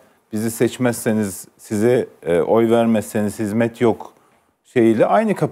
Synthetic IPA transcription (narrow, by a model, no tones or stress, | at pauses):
b̥izisɛt͡ʃmɛsːeniz̥sizɛʔo̞jvæɾmɛsːeniz̥hizmɛt̪ʰjok | ʃe̞jilʲɛʔajnɯkʰap